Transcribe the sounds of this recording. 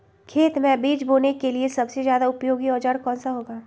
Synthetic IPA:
kʰeːt̪mẽbiːd͡ʒboːnekeliesɐbsezjaːd̪aʊpjoːɡiɔːd͡ʒaɾkɔ̃ːnsaɦoːɡaː

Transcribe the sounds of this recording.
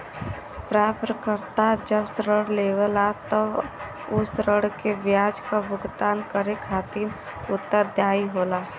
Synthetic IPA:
pɾaːpɾəkəɾt̪ad͡ʒəbsɾəɽleːʋəlat̪ə | ʊsɾəɽkebjaːd͡ʒkabʊɡt̪aːnkəɾekʰaːt̪iːn | ʊt̪ːəɾd̪jaːiɦoːlaː

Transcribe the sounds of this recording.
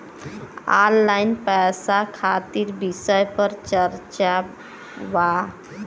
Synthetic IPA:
alːainpɛsakʰat̪iːɾbisəjpəɾt͡ɕəɾt͡ɕa | ʋa

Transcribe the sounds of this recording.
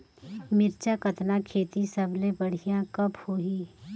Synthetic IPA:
mɪɾt͡ʃakɐt̪nakʰeːt̪isɐbʱlebɐɽ̤ijãkɐphoːɦiː

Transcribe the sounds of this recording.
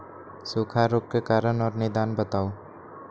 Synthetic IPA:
soːkʰaɾoːk̚kekaːɾənɔːɾned̪aːnbət̪aːoː

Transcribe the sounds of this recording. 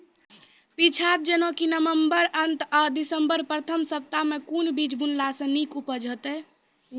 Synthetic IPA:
pit͡ʃʰat̪̚d͡ʒənokinəʋəmbəɾənt̪ad̪isəmbəɾpɾət̪ʰəmsəp̚t̪amekunbid͡ʒbunlasə̃nikupəd͡ʒʱət̪ɛ

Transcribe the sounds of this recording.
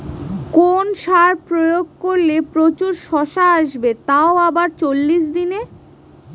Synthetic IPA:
konʃaɾpɾojoɡ̚koɾlepɾot͡ɕuɾʃɔʃaaʃbet̪aoabaɾt͡ɕolːiʃ̬d̪ine

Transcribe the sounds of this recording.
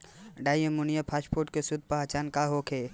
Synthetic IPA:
ɖaːjemʊnijapʰaːspoːɾʈkesʊd̪̚ʱpaɦat͡ʃaːnkaɦokʰeː

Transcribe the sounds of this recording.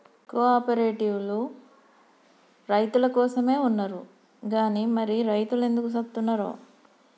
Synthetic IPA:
koːaːpɐɾeːʈiʋlu | ɾɐjt̪ulɐkɔːsɐmeːunːɐɾu | ɡaːnimɐɾiɾɐjt̪ule̞nd̪ukusɐb̚t̪unːaɾo̰ː

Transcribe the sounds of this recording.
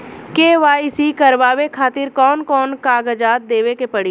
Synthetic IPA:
keːʋaːisikɐɾʋaːʋekʰaːt̪ɪɾkɔːnkɔːnkaːɡəd͡ʒaːt̪̚d̪eːʋekepɐɽi

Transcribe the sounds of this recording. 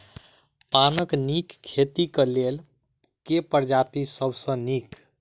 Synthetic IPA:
panəknikkʰːet̪ikəlel | kepəɾd͡ʒat̪isəbʱsə̃nik

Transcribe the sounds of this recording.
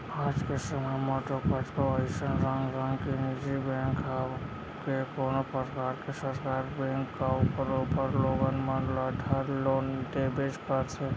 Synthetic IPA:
aːd͡ʒkesəmamaʈokət͡ʃkoəɪʃənɾãŋɡɾãŋɡkenid͡ʒibẽŋkʰa | kekoːnopəɾkaːɾkesəɾkaːɾbɛ̃ːŋkːaupəɾuːpəɾloːɡənmanlaʈʰaɾloːnɖebed͡ʒkəɾt̪ʰe

